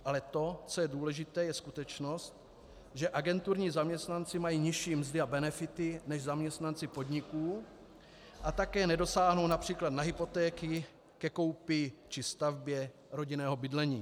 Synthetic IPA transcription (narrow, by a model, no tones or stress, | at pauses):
ʔalɛt̪o̞t͡so̞jɛduːlɛʒɪt̪ɛːjɛskut̪ɛt͡ʃno̞st̪ | ʒɛʔaɡɛnt̪uɾɲiːzamɲɛst̪nant͡sɪmajiːɲɪʃiːmzdɪabɛnɛfɪt̪ɪnɛʒzamɲɛst̪nant͡sɪpo̞d̪ɲɪkuː | ʔat̪akɛːnɛdo̞saːɦnownapr̝̥iːklad̪naɦɪpo̞t̪ɛːkɪ | kɛko̞wpɪt͡ʃɪst̪avbjɛ | ɾo̞ɟɪnɛːɦobɪdlɛɲiː